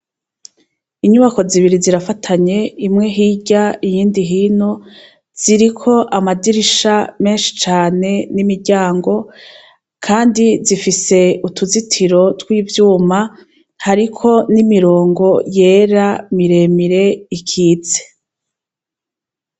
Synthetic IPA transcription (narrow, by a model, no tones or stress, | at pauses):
iɲuβako̞ziβiɾiziɾafatʰaɲe̞imŋe̞ɦiːɟaijiːndiɦiːno | z̥iɾikʰo̞ʔamadiɾiʃame̞ːnʃi̥t͡ʃaːne̞nimiɾɟaːŋɡo̞ | kʰaːndizifise̞utuzitʰiɾo̞twiːvjuːma | haɾikʰo̞nimiɾo̞ːŋɡo̞je̞ːɾamiɾe̞miɾe̞ikʰiːze̥